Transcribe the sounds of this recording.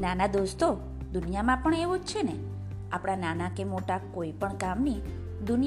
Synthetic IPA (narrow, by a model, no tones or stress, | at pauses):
nanad̪ost̪o | d̪unijamãpəɳeʋod͡ʒt͡ʃʰene | apɽ̃ananakemoʈakoipəɳkamni | d̪ʊni